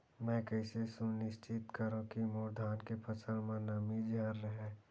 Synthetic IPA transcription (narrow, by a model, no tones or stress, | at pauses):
mɛ̃ːkəɪsesunɪst͡ʃɪt̪kəɾõkimoːɾd̪ʱaːnkepʰəsʰəɾmãnəmid͡ʒʱəɾːəɦeː